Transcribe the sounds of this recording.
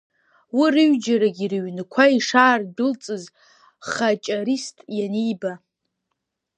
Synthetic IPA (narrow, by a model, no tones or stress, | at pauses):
wirɨɥd͡ʒaɾaɡʲirɥnkʷʰaiʂaːrdɨlt͡sʼɨz | χat͡ʃʼaɾistʼjanijba